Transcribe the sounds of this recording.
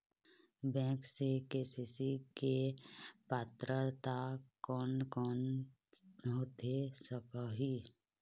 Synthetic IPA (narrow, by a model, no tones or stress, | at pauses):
bɛ̃ːksekesisikepaːt̪ɾət̪akɔːnkɔːn | ɦot̪esəkaɦi